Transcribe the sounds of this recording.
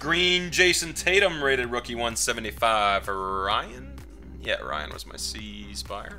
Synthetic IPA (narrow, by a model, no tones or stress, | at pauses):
ɡ̥ɹĩnd͡ʒeɪsɨ̃ntʰeɪɾɨ̃mɹeɪɾɨd̚ɹʊkiwʌ̃nsɛṽn̩tifaɪv̥əɹaɪɨ̃n | jæ̰ə̰˞ʔa̰ɪɨ̰̃nwʌ̰zma̰ɪsi | sbaɪə˞